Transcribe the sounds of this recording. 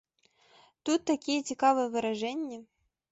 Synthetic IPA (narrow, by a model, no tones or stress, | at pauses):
t̪ut̪ːakʲijətʲɪkavɨjəvɨɾaʐɛnʲːə